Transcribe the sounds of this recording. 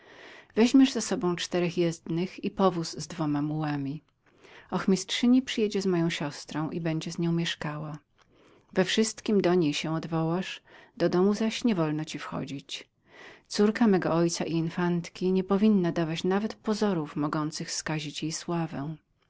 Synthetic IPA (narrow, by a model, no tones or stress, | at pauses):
vɛʑmʲjɛʐzasɔbɔ̃w̃t͡ʂt̪ɛɾɛxjɛzd̪nɘxipɔvuzːd̪vɔmamuwamʲi | ɔxmʲistʂɘɲipʂɨjɛd͡ʑɛzmɔjɔ̃w̃ɕɔst̪ɾɔ̃w̃ʔibɛɲd͡ʑɛzɲɔ̃w̃mʲjɛʂkawa | vɛfʂɘst̪kʲimd̪ɔɲejɕɛ̃ɔd̪vɔwaʂd̪ɔd̪ɔmuzaɕɲɛvɔlnɔt͡ɕifxɔ̰d͡ʑit͡ɕ | t̪suɾkamɛɡɔɔjt̪saʔiinfant̪kʲiɲɛpɔvʲinːad̪avat͡ɕnavɛt̪pɔzɔɾufmɔɡɔnt̪sɘxfskaʑit͡ɕjejswavɛ̃